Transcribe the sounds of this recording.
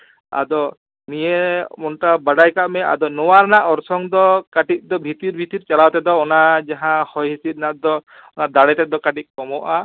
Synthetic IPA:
a̰d̪ɔ | nijemɔɳʈabaɽajkaʔmɛa̰d̪ɔnɔwaɾnaʔɔɾsɔŋd̪ɔkaʈit̪̚ˀd̪ɔbʱit̪iɾbʱit̪iɾt͡ʃalawt̪ɛd̪ɔːnad͡ʒaɦãhɔjɦisit̪nat̪̚d̪ɔ | ɔnad̪aɽɛt̪ɛd̪ɔkaʈit̪̚ˀkɔmɔʔa

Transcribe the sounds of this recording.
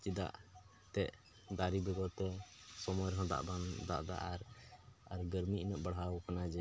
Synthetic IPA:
t͡ʃid̪a̰ʔ | t̪ɛʔ | d̪aɾibɛɡɔt̪ɛsɔmɔjɾɦɔ̃d̪a̰ʔband̪a̰ʔd̪a̰ʔaɾaɾɡəɾmiinəʔbaɽ̤ɦawkanad͡ʒɛ

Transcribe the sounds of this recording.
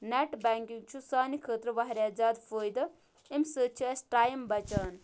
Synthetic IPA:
neʈbaŋkiŋt͡ʃʰusaːnikʰəːt̪ɾəʋɐɦɾʲad͡zaːd̪fʰoːjd̪ɐ | emsət͡ʃʰiɐsʈaːjmbɐt͡ʃaːn

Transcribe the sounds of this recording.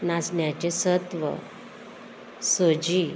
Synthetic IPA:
nasɳjat͡ɕesət̪ʋə̰ | sod͡ʑi

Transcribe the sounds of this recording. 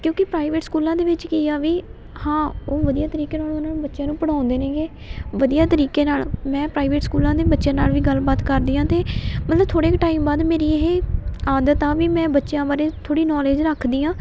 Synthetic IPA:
kjõːkɪpɾaːiʋeːʈskuːlãːd̪eːʋɪt͡ʃkɪːaːʋiː | hãːoːʋəd̪ijaːt̪əɾiːkeːnaːlũːnaːnũːbətːʃjãːnũːpəɽãːʊnd̪eːnẽːɡeː | ʋəd̪ijaːt̪əɾiːkeːnaːlmɛ̃ːpɾaːiːʋeːʈskuːlãːd̪eːbətːʃjãːnaːlʋiːɡəlbaːt̪kəɾd̪iːãːt̪eːmət̪ləb̚t̪ʰoːɽeːkʈaːiːmbaːd̪meːɾiːeɦeːaːd̪ət̪aːʋiːmɛ̃ːbətːʃjãːbaːɾeːt̪ʰoːɽiːnɔːleːd͡ʒɾəkʰd̪iːãː

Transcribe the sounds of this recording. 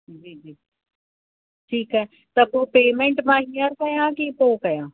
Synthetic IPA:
d͡ʒiːd͡ʒiː | ʈʰiːkɦɛɦ | t̪ɐpoːpeːmẽɳʈmaɦijəɾkɐjãːkipoːkɐjãː

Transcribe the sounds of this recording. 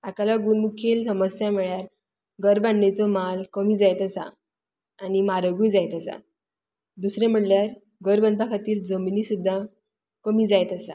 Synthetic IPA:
akalaɡuːnmukʰelsəməsjameɭjaɾ | ɡəɾbaɳnet͡sɔmalkəmiːd͡zajt̪asa̰ | animaɾəɡujd͡zajt̪asa̰ | d̪usɾẽm̤əɽljaɾ | ɡəɾbənpakʰat̪iːɾd͡zəminiːsud̪ʱːa | kəmiːd͡zajt̪asa̰

